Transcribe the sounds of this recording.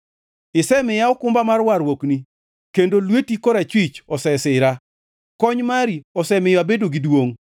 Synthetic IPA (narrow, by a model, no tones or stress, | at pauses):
ɪsɛmɪjaɔkʊmbamarwarwokni | kendolwetikoɾat͡ʃwɪt͡ʃɔsɛsɪɾa | kɔɲmaɾiɔsɛmɪjɔabedoɡidwoŋ